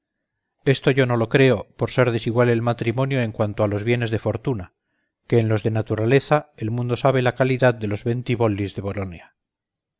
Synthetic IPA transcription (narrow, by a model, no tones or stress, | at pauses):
e̞st̪o̞ʝo̞no̞lo̞kɾe̞o̞po̞ɾseɾðe̞siɣwalelmat̪ɾimõ̞njo̞e̞ŋkwant̪oalo̞zβje̞ne̞zðe̞fo̞ɾt̪una | ke̞ːnlo̞zðe̞nat̪uɾale̞θae̞lmũnd̪o̞saβ̞e̞lakaliðað̚d̪e̞lo̞zβe̞nt̪iβo̞lːizðe̞βo̞lo̞nja